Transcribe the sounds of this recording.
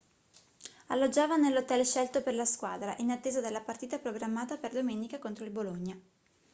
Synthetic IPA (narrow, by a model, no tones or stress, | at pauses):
alːod͡ʒːaːvanelːot̪ɛlʃɛlt̪operlaskwa̰ːd̪ɾaʔinat̪ːeːzad̪elːapart̪iːt̪apɾoɡɾamːaːt̪aperd̪omenikakont̪ɾoilboloɲːa